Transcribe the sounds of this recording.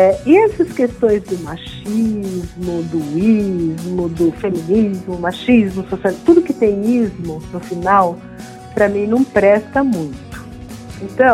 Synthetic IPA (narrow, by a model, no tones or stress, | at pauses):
ɛɪɛsɐskest̪õj̃zd̪ʊmaʃ | izmʊd̪ʊizmʊd̪ʊfemĩnizmʊmaʃizmʊsosialt̪ud̪ʊkɪt̪ẽj̃izmʊnʊfinaw | pɾɐmĩnɐ̃w̃pɾɛst̪ɐmũj̃t̪ʊ̥ | ẽt̪ɐ̃